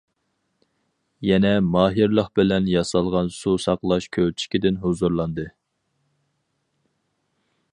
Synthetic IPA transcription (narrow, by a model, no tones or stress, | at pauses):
jɛnɛmɑːɦiɾlˠəχbɪlɛnjɑsɑlˠʁɑnsusɑqlˠɑʃkʲʰøwt͡ʃʰi̥kʲid̪ɪnɦozuɾlˠɑnd̪ɨ